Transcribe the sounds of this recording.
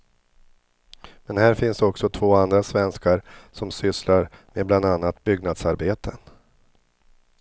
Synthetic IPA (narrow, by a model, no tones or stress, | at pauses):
mɛnhæːɾfɪnsd̪ɔksɔt̪ʰvoːand̪ɾasvɛnskaɾsɔmsʏslaɾmeːbland̪anːat̪̚bʏɡnad̪saɾbeːt̪ʰən